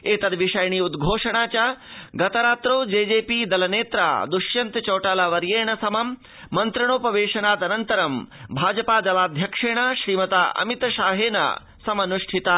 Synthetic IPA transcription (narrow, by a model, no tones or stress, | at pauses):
eːt̪ɐd̪ʋiʂɐjɐɳiːud̪ɡʱoːʂɐɳ̃aːt͡ʃaːɡɐt̪ɐɾaːt̪ɾoːd͡ʒeːd͡ʒeːpiːd̪ɐlɐneːt̪ɾa̰ːd̪uʃjɐnt̪t͡ʃɐːʈaːlaʋɐɾjeːɳɐsɐmɐmː | ɐnt̪ɾɐɳ̃oːpɐʋeːʃɐnaːt̪ɐnɐnt̪ɐɾɐmbʱaːd͡ʒɐpaːd͡ʒ̪ɐʋaːd̪ʱjɐkʂeːɳ̃ɐʃɾiːmɐt̪aːʔɐ̰mit̪ʃaːɦeːnɐ̰ | sɐmɐnuʂʈʰit̪aː